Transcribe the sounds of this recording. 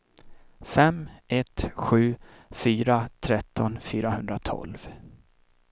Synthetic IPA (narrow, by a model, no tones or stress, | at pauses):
fɛmʔɛt̪ɧʉ̟ː | fyːɾat̪ʰɾɛt̪ʰːɔnfyːɾahɵnd̪ɾat̪ʰɔ̰lv